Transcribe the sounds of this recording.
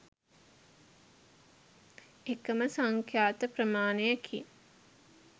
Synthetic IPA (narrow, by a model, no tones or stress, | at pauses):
ekəməsaŋkʰjaːt̪əprəmaːnejəkʰḭ